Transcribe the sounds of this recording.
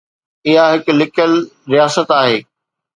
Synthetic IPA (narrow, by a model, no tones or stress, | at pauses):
ɪɦaɦɪklɪkəlɾijaːsət̪aːɦeː